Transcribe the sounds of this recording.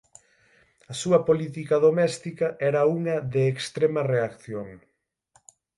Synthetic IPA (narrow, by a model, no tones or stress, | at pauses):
ɐsuɐpolit̪ikɐðomɛst̪ikɐʔɛɾɐuŋɐðeːkst̪ɾemɐreakθjoŋ